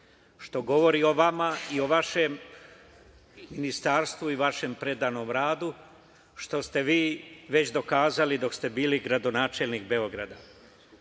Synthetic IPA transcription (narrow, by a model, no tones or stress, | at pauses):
ʃt̪o̞ɡo̞ʋo̞ɾio̞ʋamaio̞ʋaʃem | inist̪aɾst̪ʋuiʋaʃe̞mpɾe̞d̪ano̞ːmɾaːd̪u | ʃt̪o̞st̪e̞ʋiːʋe̞t͡ɕd̪o̞kaːzalid̪o̞kst̪e̞biːliɡɾad̪o̞naːt͡ʃe̞lnikbe̞o̞ɡɾa̰d̪a